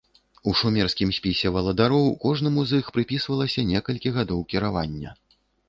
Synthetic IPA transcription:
uʂumʲɛrskʲimsʲpʲisʲɛvɐlˠɐd̪aɾɔwkɔʐnɐmuzixpɾɨpʲisvɐlˠɐsʲɐnʲɛkɐlʲkʲiɣad̪ɔwkʲiɾava̰nʲːɐ̰

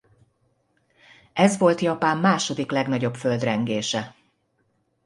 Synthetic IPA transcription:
ɛzʋo̞lt̪jɒpaːmːaːʃo̞d̪iklɛɡnɒɟo̞bfø̞ld̪rɛŋɡeːʃɛ

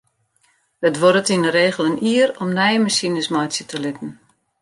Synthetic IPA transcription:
ətʋoɾətinəɾeːɣəlˠəniːəɾɔmnɛjəməsinəsmɔjsjətʰəlɪtən̩

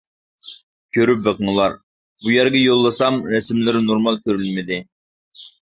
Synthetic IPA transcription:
kʲʰøɾyp̚bəqəŋlˠɑɾ | bujæɾɡʲɛjolˠːɨsɑmɾɛsmlɪɾnoɾmɑlˠkʲʰøɾylmɪd̪ɪ

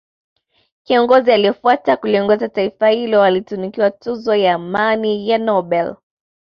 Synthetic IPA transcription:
kiɔŋɡɔzialijɔfuwatakuliɔŋɡɔzataifahilɔwalitunikiwatuzɔjaːmanijanɔbɛl

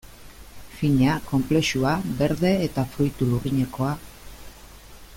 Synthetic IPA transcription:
fiɲako̞mple̞ʃuabe̞ɾðe̞ːt̪afɾujt̪uluriɲe̞ko̞a

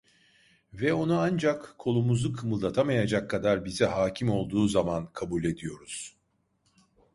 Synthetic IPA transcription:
vɛo̞nuand͡ʒakkʰːo̞lˠumuzukʰɯmɯlˠd̪at̪ʰamajad͡ʒakʰːad̪aɾbizɛɦaːcʰimo̞lˠd̪uːzamankʰabulʲe̞d̪ijo̞ɾuz̥

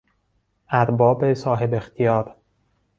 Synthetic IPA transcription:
ʔæɾbɒːbesɒːɦebext̪ʰijɒːɾ

